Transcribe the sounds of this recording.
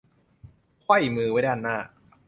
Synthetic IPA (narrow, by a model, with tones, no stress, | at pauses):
kʰwa˥˩jmɯː˧wa˦˥˩da˥˧ʔa˧nːaː˥˩